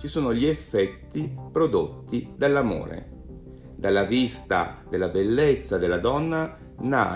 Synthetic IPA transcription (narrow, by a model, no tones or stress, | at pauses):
t͡ʃisuːnoʎiefːɛt̪ːipɾod̪ot̪ːid̪alːamo̰ːɾḛ | d̪alːavist̪a̰d̪elːabelːet̪sːad̪elːad̪ɔnːa | na̰